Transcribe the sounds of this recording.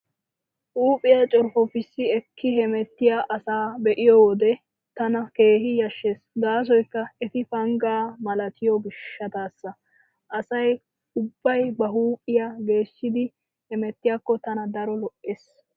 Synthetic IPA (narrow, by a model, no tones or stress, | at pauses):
ʔuːpʼːɪjat͡ʃʼɔɾfɔfɪsːɪɛkʰːɪhɛmɛt̪ːɪjaʔɐsaːbɛʔɪjɔwɔd̪ɛ | t̪ɐnɐke̞ːɦɪjɐʃːeːsɡaːs̬ɔjkːɐɛt̪ɪfɐŋɡaːmɐlɐt̪ʰɪjɔɡɪʃːɐt̪aːsːɐ | ʔɐsɐj | ʊbːɐjbɐɦuːpʼɪjaɡe̞ːʃːɪd̪ɪ | hɛmɛt̪ːɪjaːkːɔt̪ɐnɐd̪ɐɾɔlɔʔʔeːs